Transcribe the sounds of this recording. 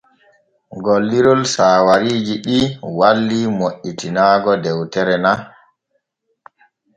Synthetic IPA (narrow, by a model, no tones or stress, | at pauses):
ɡolːiɾɔlsaːwaɾiːd͡ʒiɗiwalːimoʔitinaːɡɔdɛwtɛɾɛna